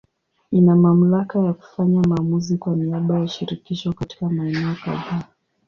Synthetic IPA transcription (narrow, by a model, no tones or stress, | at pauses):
inamam̩lakajaku̥faɲamaːmuzikwaniaɓajaʃiɾikiʃɔkati̥kamaɛnɛɔka̰ða